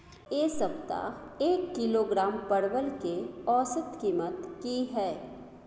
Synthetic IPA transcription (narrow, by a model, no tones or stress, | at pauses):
jeːsəp̚t̪a̰eːkːɪloɡɾaːmpɐɽwəlkeɔːsət̪kiːmət̪kiɦɛː